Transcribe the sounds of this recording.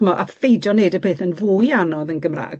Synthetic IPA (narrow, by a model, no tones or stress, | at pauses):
mɔʔafejd͡ʒɔneɨdəpʰeːθənvʊːjanɔðənɡəmra̰ːɡ